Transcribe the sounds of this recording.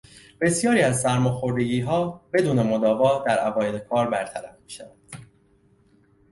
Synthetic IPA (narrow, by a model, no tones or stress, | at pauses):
b̥e̞sjɒːɾiːæzsæɾmɒːxo̞ɾd̪eɟiːɦɒːb̥e̞d̪uːne̞mod̪ɒːvɒːd̪æɾævɒːjelekʰɒːɾbæɾt̪ʰæɾæfmiːʃævænd̪̥